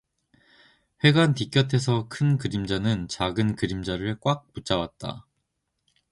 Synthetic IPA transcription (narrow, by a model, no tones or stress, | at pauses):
ɸwe̞ɡantik͈jʌtʰe̞s̬ʰʌkʰɯnkɯɾimd͡ʑanɯnt͡ɕaɡɯnkɯɾimd͡ʑaɾɯɭk͈wak̚put͡ɕ͈awat̚t͈a̰